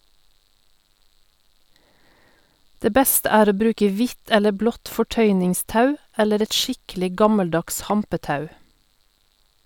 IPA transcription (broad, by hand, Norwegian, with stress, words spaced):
ˈdeː ˈbɛstə ˈæːɾ ˈoː ˈbɾʉːkə ˈʋɪt ˈɛlə ˈblɔt fɔˈʈœʏnɪŋˌstɑʉ ˈɛləɾ ˈɛt ˈʃɪklɪ ˈɡɑməlˌdɑks ˈhɑmpəˌtɑʉ